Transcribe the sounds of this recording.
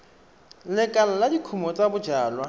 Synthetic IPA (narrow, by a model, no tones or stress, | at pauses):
lɪkʼal̩ladikʰumɔt͡sʼabʊd͡ʒaːlwa